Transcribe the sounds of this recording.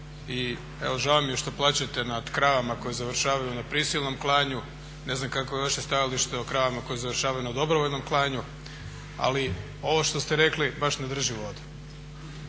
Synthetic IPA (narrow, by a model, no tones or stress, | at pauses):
i | e̞̰ʋo̞ʒaːomieʃt̪o̞plˠaːt͡ɕat̪e̞nad̪̥kɾaːʋamako̞jezaʋr̩ʃaːʋajunapɾisilˠno̞mklˠaːɲu | ne̞znamkakojeʋaʃe̞st̪ajaliʃt̪eokɾaːʋamako̞jezaʋrʃaːʋajunad̪o̞bɾoʋoʎno̞mklˠaːɲu | a̰li | o̞ʋoʃt̪o̞st̪eɾe̞klibaʃned̪r̩ʒiʋo̞d̪u̥